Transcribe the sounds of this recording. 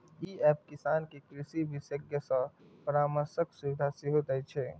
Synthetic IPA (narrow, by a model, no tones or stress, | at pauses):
iɛːp̚kɪsaːnkekɾɪsibʱɪsəɡjəsə̃pəɾaːməɾsəksuʋɪd̪ʱasiɦot̪ət͡ʃʰɛ